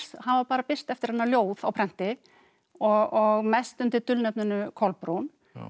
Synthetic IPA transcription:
hanvapaːɾapɪr̥st̪ɛft̪ɪɾhanːaljoːwðawpʰɾɛn̥t̪ɪ | ɔɣɔɣmɛst̪ʏmt̪ɪɾt̪ʏlnɛpnʏnʏkʰɔlpɾun

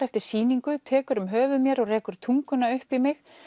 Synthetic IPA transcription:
ɛft̪ɪɾ̥siːniŋkʏt̪ʰɛːkʏɾʏmɦœːvʏðmjɛɾɔɣrɛːkʏɾ̥t̪ʰuŋkʏnaʏhpimɪx

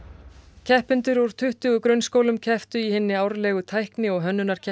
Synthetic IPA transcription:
cʰɛhpɪnt̪ʏɾɔɾ̥t̪ʰʏht̪ʏɣʏkɾœɥnskoːwlʏmcʰɛft̪ʏihɪnːɪawɾlɛːɣʏt̪ʰajhknɪɔɣɦœnːʏnaɾ̥cʰɛ

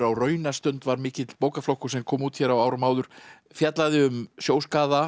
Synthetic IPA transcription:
ɾawrœːɥnast̪ʏnt̪vaɾmɪːcɪt̪lpoːwkaflowhkʏ̥sɛmkʰɔːmuːt̪çɛɾawaːwɾʏmaːwðʏɾ̥ | fjat̪laðɪʏmsjoːwskaːða

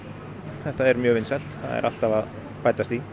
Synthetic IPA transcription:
θɛht̪aɛɾmjœːvɪnsɛl̥t̪θa̰ðɛ̰ɾʔa̰l̥t̪avað | paːjt̪ast̪i

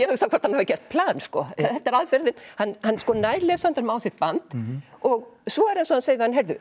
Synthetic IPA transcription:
jɛhœsawkʰɔɾ̥t̪hanhavɪcɛst̪̚pʰlaːnskɔθɛht̪ːɛɾaðfɛɾðɪnhanːhanːskɔːnaːjɾlɛsant̪aɾmaːwsɪht̪̚pant̪ɔɣsvɔɛɾasɔhanseːjðɪhanɦɛɾðʏ̰

